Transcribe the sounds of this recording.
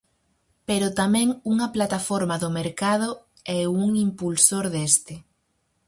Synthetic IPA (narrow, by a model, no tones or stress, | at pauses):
peɾʊt̪amɛ̃ŋuŋɐplat̪afoɾmaðʊmeɾkað̞o | ɛuŋimpulsoɾðest̪ɪ